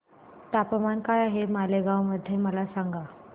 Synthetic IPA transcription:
t̪apəmankajaɦemaleɡãwməd̪ʱːjeməlasaŋɡa

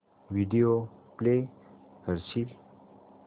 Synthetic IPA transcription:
ʋiɖioplehəɾsil

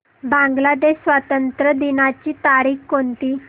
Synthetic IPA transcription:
bãŋɡlad̪eɕsʋat̪ənt̪ɾəd̪inat͡ɕiːt̪aɾiːkkont̪iː

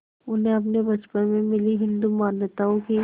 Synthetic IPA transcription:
ʊnɦẽɐp̬nebɐt͡ʃpənmẽmɪliɦɪ̃nd̪umaːnjət̪aːõki

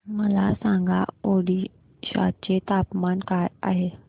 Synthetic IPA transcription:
məlasãŋɡʱa̰oɽiː | ɕa̰t̪̚t͡ɕet̪apmankaja̰ɦe

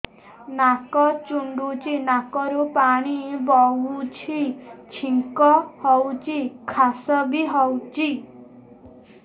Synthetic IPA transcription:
nakɔt͡ʃuɳɖut͡ʃʰinakɔɾupaɽ̃ibɔut͡ʃʰit͡ʃʰiŋkɔhɔwt͡ʃʰikʰasɔbiɦɔwt͡ʃi

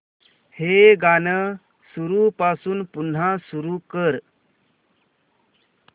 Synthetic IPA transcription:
heɡanə | suɾupasuːnpun̤asuɾukəɾ

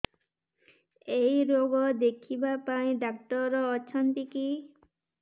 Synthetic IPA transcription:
ejɾoɡɔd̪ekʰibapaĩɖakʈɔɾɔːt͡ʃʰɔnt̪iki

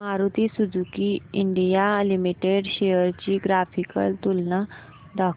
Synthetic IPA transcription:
aɾut̪isud͡zʱukiiɳɖijalimiʈeɖɕejəɾt͡ɕiːɡɾafikə̰lt̪ulna | d̪ak

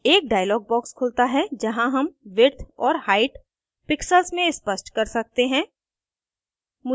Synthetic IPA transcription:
eːk̚ɖaːjəlɔːɡ̚bɔːkskʰʊlt̪aɦɛd͡ʒɐɦãɦɐmʋɪɾt̪ʰɔːɾhaːɪʈ | pɪksəlsmẽɪspəsʈkɐɾsɐk̚t̪eɦɛ̃ː | mʊ

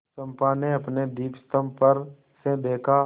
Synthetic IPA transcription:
səmpaːneəpned̪iːpst̪əmpəɾ | seb̪ʱeːkʰaː

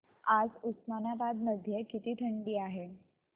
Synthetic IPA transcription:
ad͡zusmanaʋad̪məd̪ʱːjəkit̪iːʈʰəɳɖiːaɦe

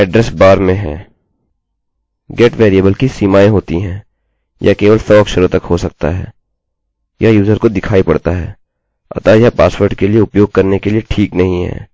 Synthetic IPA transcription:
ɛɖɾɛsbaːɾmẽɦɛ̃ː | ɡeːʈʋeːɾijəbəlkisiːmaːẽɦoːt̪iɦɛ̃ː | jʔakeːʋəlsɔɐkʃəɾõt̪ɐkɦosɐk̚t̪a̰ɦɛ̰ː | jʔajuːzəɾkod̪ɪkʰaːipɐ̰ɽt̪aɦɛː | ɐ̰t̪ajapaːswəɾɖkelieʊpjoːɡ̚kɐɾnekelieʈʰiːknɐɦĩɦɛ̰ː

